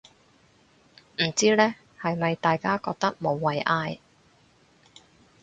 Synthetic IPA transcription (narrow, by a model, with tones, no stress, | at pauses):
m̩˨˩t͡siː˥lɛː˥ | hɐ˨jmɐ˨jt̪aː˨jkaː˥kɔː˧k̚t̪ɐ˥k̚mo˨˧wːɐ˨jʔaː˧j